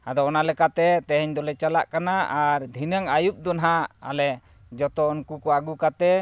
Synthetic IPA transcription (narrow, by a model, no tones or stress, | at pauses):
ad̪ɔːnalɛkat̪ɛt̪ɛɦɛɲd̪ɔlɛt͡ʃala̰ʔkanaaɾd̪ʱinaŋajup̚d̪ɔnɦaa̰lɛ | d͡ʒɔt̪ɔɔnkukɔaɡukat̪ɛ